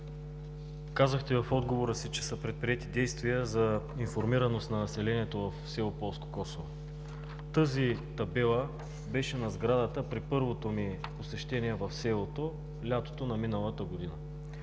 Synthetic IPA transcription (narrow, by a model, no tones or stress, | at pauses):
kazəxt̪ɛvɐfɔd̪ɡovoɾəsit͡ʃɛsɐpɾɛt̪̚pɾiɛt̪id̪ɛjst̪viəzɐinfoɾmiɾɐnost̪nɐnɐsɛlɛniɛt̪ovɐfsɛlˠopɔlˠsko̥kɔsovo | t̪ɤzit̪ɐbɛlˠə | bɛʃɛnɐzɡɾad̪ət̪əpɾipɤɾvot̪omiposɛʃt̪ɛniɛvɐfsɛlˠot̪o | lʲat̪o̥t̪onɐminəlˠət̪əɡod̪inə